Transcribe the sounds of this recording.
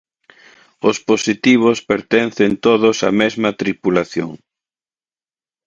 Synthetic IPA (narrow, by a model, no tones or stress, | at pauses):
ʊsposit̪iβ̞ʊspeɾt̪ɛn̟θent̪oðʊsɐ̰mɛzmɐt̪ɾipulaθjo̰ŋ